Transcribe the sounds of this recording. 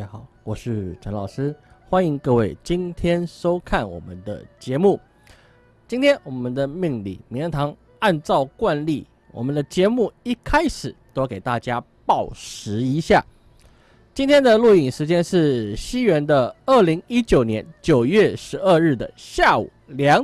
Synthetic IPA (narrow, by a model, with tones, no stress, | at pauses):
a˥xɑ˨˩˦ʊwɔ˨˩ʂɻ̩˥˩ʈ͡ʂʰɑ˧˥ŋlɑ˨˩ʊʂɻ̩˥xwa˥ni˧˥ŋkɤ˥˧we˥˩ɪt͡ɕi˥nt̪ʰjɛ˥nʂo˥ʊkʰa˥˩nwɔ̰˨˩mə˦nd̪ə̰˦t͡ɕjɛ˧˥mu˥˩ | t͡ɕi˥nt̪ʰjɛ˥nwɔ˨˩mə˦nd̪ə˨mi˥˧ŋlḭ˥˩m˨˧˥ŋt̪ʰɑ˧˥ŋ | a˥˧nt͡sɑ˥˧ʊkwa˥˧nli˥˩ | wɔ̰˨˩mə˦nd̪ə˧t͡ɕjɛ˧˥mu˥˩i˥˩kʰa˥ɪʂɻ̩˨˩t̪o˥ʊke˨˩ɪt̪a˥˩t͡ɕja˥ | pɑ˥˩ʊʂɻ̩˧˥i˧˥ɕja̰˥˩ | t͡ɕi˥nt̪ʰjɛ˥nd̪ə˨lu˥˩i˨˩ŋʂɻ̩˧˥t͡ɕjɛ˥nʂɻ̩˥˩ɕi˥ɥɛ˧˥nd̪ə˧ə˥˩li˧˥ŋi˥t͡ɕjo˨˩ʊnjɛ˧˥nt͡ɕjo˨˩ʊɥɛ˥˩ʂɻ̩˧˥ə˥˧ɻɻ̩˥˩d̪ə̰˩ɕja˥˩ṵ˨˩ljɑ˧˥ŋ